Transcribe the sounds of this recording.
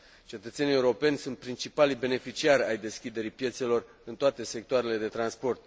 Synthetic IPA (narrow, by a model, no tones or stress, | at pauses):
t͡ʃe̞t̪ət̪se̞nijeuɾo̞pe̞nʲsunt̪̚pɾint͡ʃipalibe̞ne̞fit͡ʃiaɾʲajd̪e̞skʲid̪e̞ɾipje̞t̪se̞lo̞r | ɨnt̪oat̪e̞se̞k̚t̪oaɾe̞le̞d̪e̞t̪ɾanspo̞rt̪̚